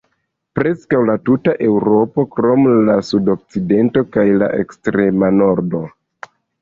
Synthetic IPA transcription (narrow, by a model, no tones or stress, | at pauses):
pɾe̞skawlatutaʔe̞wɾo̞po̞kɾo̞mlasudo̞k̚t͡side̞nto̞kajla̰ʔe̞̰kstɾe̞mano̞ɾdo̞